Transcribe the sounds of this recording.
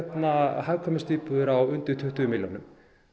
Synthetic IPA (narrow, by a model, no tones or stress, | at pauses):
t̪naɦajvkʰɔmst̪iːpʏðʏɾawʏnt̪ʏ̥t̪ʰʏht̪ʏmɪljonʏm